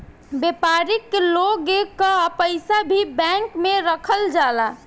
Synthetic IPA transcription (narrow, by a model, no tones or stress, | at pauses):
bepaɾikːloɡekəpəɪsabʱibɛ̃ŋkmeɾəkʰəld͡ʒala